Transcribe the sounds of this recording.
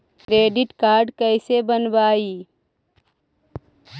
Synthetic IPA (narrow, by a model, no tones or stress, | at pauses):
kɾeːɖɪʈkaːɾɖkəɪsebənbaːi